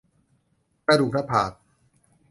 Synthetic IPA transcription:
kɾa˧˩duː˨˩k̚nʰa˧˥pʰaː˨˩t̚

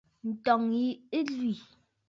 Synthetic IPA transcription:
n̩˨tɔ˨ŋi˨˦e˦lɥi˨

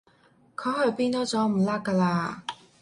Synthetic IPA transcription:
kʰɵ˨˧˥hɵ˨˧ɥpiː˥nt̪ɔː˥t͡sɔː˨˥m̩˨˩laː˥kːaː˧laː˧

